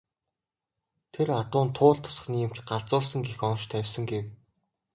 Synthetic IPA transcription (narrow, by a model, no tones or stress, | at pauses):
t̪ʰeɾat̪ʊːnt̪ʰʊːɮt̪ʰʊ̥s̆χnĭːm̥t͡ɕɢaɮt͡sʊːsə̆ŋɡexɔnʃt̪ʰæwʲsə̆ŋɡew